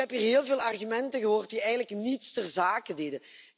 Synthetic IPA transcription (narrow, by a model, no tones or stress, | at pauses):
ɛpiːrɦeːlˠveːlˠɑrɣymɛntəɣəɦoːrt̚diɛjɣənələknitstərzaːkədedə